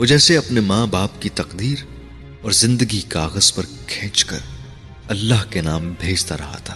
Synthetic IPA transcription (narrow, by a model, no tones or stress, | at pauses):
oːd͡ʒɛːseɐpnemãːbaːpkit̪ɐqd̪iːɾ | ɔːɾzɪ̃nd̪əɡikaːɣəz̥pɐɾkʰɛ̃ːt͡ʃkɐ̰ɾ | ɐlːaːɦkenaːmbʱeːd͡ʒt̪aɾɐ̰ɦa̰t̪ʰaː